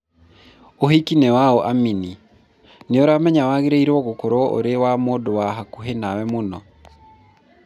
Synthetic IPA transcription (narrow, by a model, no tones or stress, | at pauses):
ohikinɛwaɔʔamini | neoɾamɛɲawaɣeɾeiɾɔɣokoɾɔo̰ɾewamodowaɦakuɦenawɛmonɔ̰